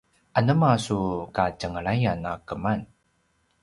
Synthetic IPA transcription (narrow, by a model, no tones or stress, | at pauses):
ʔanəmasukacəŋəɭajanakəman